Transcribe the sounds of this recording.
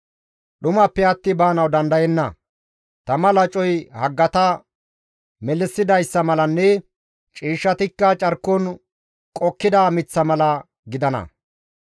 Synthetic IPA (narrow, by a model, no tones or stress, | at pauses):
ɗʊmɐpːɛɐt̪ːɪbaːnɐwd̪ɐnd̪ɐjɛnːɐ | t̪ɐmɐlɐt͡ʃʼɔjhɐɡːɐt̪ɐ | mɛlɪsːɪd̪ɐjsːɐmɐlɐnːɛ | t͡ʃʼiːʃːɐt̪ɪkːɐt͡ʃʼɐɾkːɔn | kʼɔkːɪd̪aːmɪt͡sːɐmɐlɐ | ɡɪd̪ɐnɐ̰